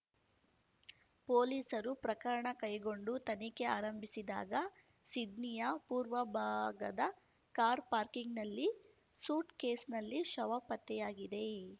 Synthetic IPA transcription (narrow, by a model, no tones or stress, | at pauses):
poːliːsɐɾupɾɐkɐɾɐɳɐkɐjɡo̞ɳɖut̪ɐnike̞aːɾɐmbʱisid̪a̰ːɡɐ | sid̪nijɐpuːɾʋɐbʱaːɡɐd̪ɐ | kaːɾpaːɾkiŋɡnɐlːi | suːʈkeːsnɐlːiʃɐʋaːpɐt̪ːɛjaːɡid̪e̞